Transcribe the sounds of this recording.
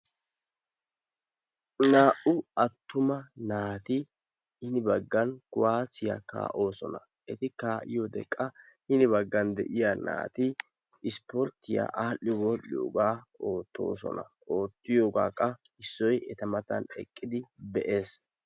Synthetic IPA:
naːʔʊɐt̪ːʊmɐnaːt̪ɪ | hɪnɪbɐɡːɐnkʊwaːsɪja̰ka̰ːʔo̞ːsɔnɐ̰ | ʔɛt̪ɪkaːʔɪjod̪ɛkʼːɐ | hɪnɪbɐɡːɐnd̪ɛ̰ʔɪjana̰ːt̪ɪ | ɪspɔɾt̪ːɪja̰ʔaːʔɪwɔɗɪjoːɡaːo̞ːt̪ːo̞̰ːs̬ɔ̰nɐ | o̞ːt̪ːɪjoːɡa̰ːkʼːɐ | ɪsːɔjɛt̪ɐmɐt̪ɐ̰nɛ̰kʼːɪd̪ɪbɛʔe̞ːs

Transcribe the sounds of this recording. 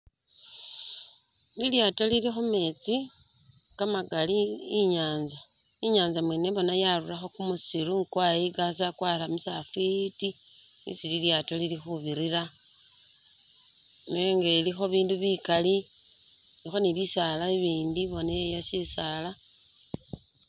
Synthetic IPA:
liljato̞lilixume̞t͡si | kamaɡaliiɲaːnzaiɲaːnzamweːneβo̞najaruraxo̞kumusiɾuŋkwajiɡas̬akwaːɾamusafuiti | ḭsililjato̞lilixuβiɾiɾa | neoŋɡelixo̞βiːnduβikali | nixo̞niβisalaiβiːndiβo̞nejaʃisaːla

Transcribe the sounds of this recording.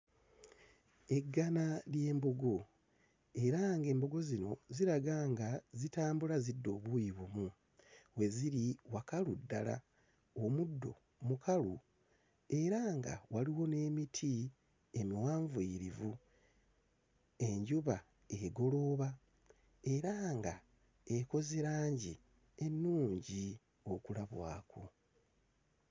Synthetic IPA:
e̞ɡːanalje̞ːmboɡo̞ | e̞ɾaŋɡe̞ːmbo̞ɡo̞zino̞ziɾaɡaːŋɡazitaːmbulazidːo̞ːβujiβumu | we̞ziɾiwakaludːala̰ | omudːo̞̰ | mukʰalu | e̞ɾaŋɡa̰waliwo̞ne̞ːmitʰi | emiwaːɱvuiɾivu | e̞ɲɟuβa | eɡo̞lo̞ːβa | e̞ɾaŋɡa | eko̞ziɾaːɲɟi | e̞nːuːɲɟi | o̞kulaβwa̰ːkʰo

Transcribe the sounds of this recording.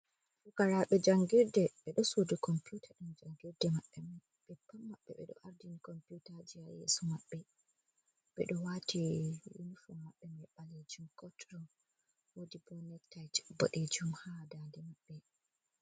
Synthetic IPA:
sukaɾaɓɛd͡ʒaŋɡiɾdɛɓɛɗɔsodukɔmpjutʰaɗund͡ʒaŋɡiɾdɛmaɓːɛm | ɓɛpːamːaɓːɛ̰ɓɛɗɔ̰ʔaɾdinikɔmpjutad͡ʒiajḛsɔmaɓːɛ | ɓɛ̰ɗɔwatijṵnifɔmːaɓːɛmɛɓaled͡ʒumkɔtɾɔm | wodibɔnɛktːajtbɔ̰ɗed͡ʒumhadandɛmaɓːɛ

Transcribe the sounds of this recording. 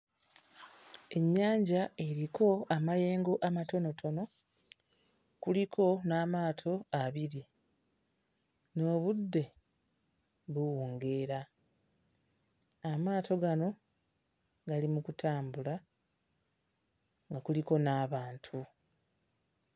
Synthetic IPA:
e̞ɲːaːɲɟae̞ɾiko̞amaje̞ːŋɡo̞ʔamato̞no̞tʰo̞no̞ | kulikʰo̞naːmaːtʰo̞aβiɾi | no̞ːβudːe̞ | βuwuːŋɡe̞ːɾa | maːto̞ɡano̞ | ɡalimukutʰaːmbula | ŋɡakuliko̞naːβaːntʰu

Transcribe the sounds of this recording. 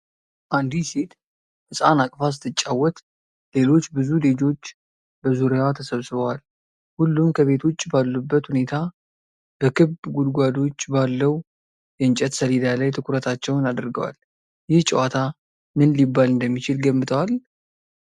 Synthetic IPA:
ʔand̪iset̪ | hɨsʼanakʼfas̬ɨ̥t̪ʰːɨt͡ʃʼːawːɔt̪ | le̞lo̞t͡ʃːbɨzuled͡ʒo̞t͡ʃː | bəzuɾeat̪ʰəsəβsɨβəwal | hulːumkʰəβe̞t̪ʰo̞t͡ʃːbalːubːət̪hune̞t̪ʰa | b̥əkʰɨbɡud̪ɡʷad̪o̞t͡ʃːbalːəw | jɛɨnt͡ʃʼɛt̪səlid̪alajt̪ʰɨkʰʊɾət̪ʰat͡ʃːɛwnad̪ɾɡəwa̰l | jɪht͡ʃʼɛwat̪ʰa | mɨnlibːalɨnd̪əmːit͡ʃɪlɡəmːɨt̪ʰəwal

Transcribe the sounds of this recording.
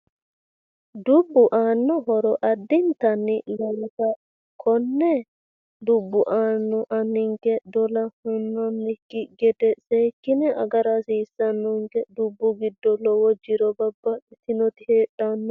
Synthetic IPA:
d̪ʊbːʊʔaːnːɔɦɔɾɔʔɐd̪ːɪnt̪ɐnːɪlɐwkɐ | kʰɔnːɛ | d̪ʊbːʊʔaːnːɔʔɐnːɪŋkɛd̪ɔlɐhʊnːɔnːɪkːɪɡɛd̪ɛseːkːɪnɛʔɐ̰ɡɐɾasɪɪsːɐnːɔŋkɛd̪ʊbːʊɡɪd̪ːɔlɔwɔd͡ʒːɪɾɔbɐbːɐɪt̪ɪnɔt̪ɪheːᶑanːɔ

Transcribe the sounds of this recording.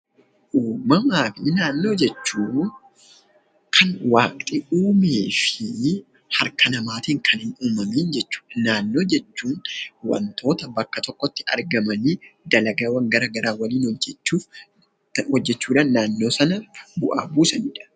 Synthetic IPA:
ʔuːmɐmaːfɪnaːnːo̞ːd͡ʒɛt͡ʃːuː | kʰɐnwaːkʼt̪ʼɪʔuːmeːfɪ | hɐɾkʰɐnɐmaːt̪iːŋkʰɐnɪnuːmɐmiːnd͡ʒɛt͡ʃːu̥ːᶑɐnaːnːo̞ːd͡ʒɛt͡ʃːuːnwɐ̰nt̪o̞ːt̪ɐbɐkːɐt̪ɔkːɔt̪ːɪ̥ɐ̰ɾɡɐmɐnɪd̪ɐlɐɡɐwɐŋɡɐɾɐɡɐɾaːwɐliːnɔd͡ʒɛt͡ʃːuːf | hɔd͡ʒːɛt͡ʃːuːᶑaːnːaːnːo̞ːsɐnɐbʊʔa̰ːbuːsɐniːᶑɐ̥

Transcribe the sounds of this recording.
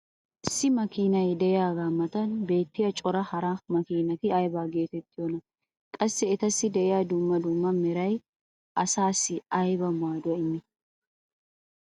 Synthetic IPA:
ʔɪsːɪmɐkiːnɐjd̪ɛɪjaːɡaːmɐt̪ɐnbe̞ːt̪ːɪjɐt͡ʃʼɔɾɐhɐɾamɐkiːnɐt̪ɪɐjbaːɡe̞ːt̪ɛt̪ːɪjonɐ | kʼɐsːɛɛt̪ɐsːɪd̪ɛɪjaːd̪umːɐd̪umːɐmɛɾɐj | ʔɐsaːsːɪɐjbɐmaːd̪ʊɐɪmːɪ

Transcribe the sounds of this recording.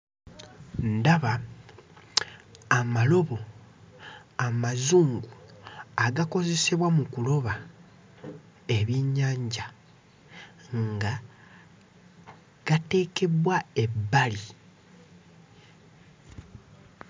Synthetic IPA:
ndaβa | malo̞βo̞ | amazuːŋɡuaɡako̞ze̞seβwamukulo̞βa | e̞βiɲːaːɲɟa | ŋɡa | ɡ̥ate̞ːke̞βwae̞bːali

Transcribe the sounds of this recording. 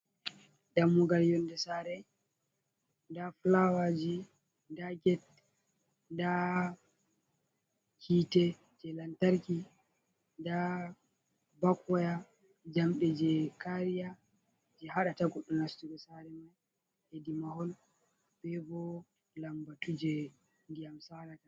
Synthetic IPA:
damːuɡaljɔndɛsaːɾɛ | ndaflawad͡ʒi | ndaɡɛt̚ | nda | kʰiːtɛ | d͡ʒɛlantaɾki | nda | bakɔja | d͡ʒamɗɛd͡ʒɛkaɾija | d͡ʒɛɦaɗataɡɔɗːunastubɛsaɾɛmaj | hedimahɔl | bɛbɔ | lambatud͡ʒɛ | ndijamsaɾata

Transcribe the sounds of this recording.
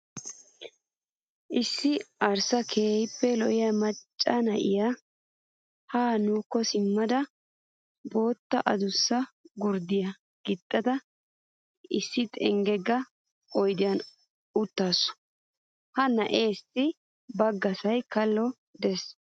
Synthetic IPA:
ʔɪsːɪɐɾsɐkʰeːhɪpːɛlɔʔɪjɐmɐt͡ʃʼːɐnɐʔɪja | haːnuːkːɔsɪmːɐd̪ɐ | bo̞ːt̪ːɐʔɐd̪ʊsːɐɡʊɾd̪ɪjɐ | ɡ̥ɪt̪ʼːɐd̪ɐ | ɪsːɪt̪ʼɛŋɡɛɡːɐ | ɔjd̪ɪjɐn | ʊt̪ːaːsːʊ̥ | hɐnɐʔe̞ːsːɪ | bɐɡːɐsɐjkɐlːɔ | d̪ɛs

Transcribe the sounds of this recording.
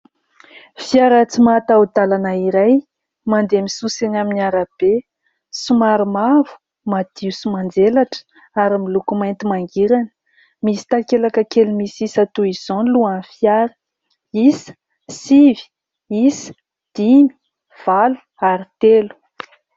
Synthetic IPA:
fiaɾət͡simat̪awud̪alanaiɾaj | mand̪emisusenaminiaɾab̥e | sumaɾimavu̥ | mad̪̥iusumand͡zelaʈ͡ʂə̥ | aɾimilukumajnt̪imaŋɡiɾanə̥ | misi̥t̪akelakəkelumisisat̪uiz̥onluanfjaɾə̥ | isə̥ | sivi̥ | isə̥ | d̪̥ini̥ | v̥alu̥ | aɾit̪elu̥

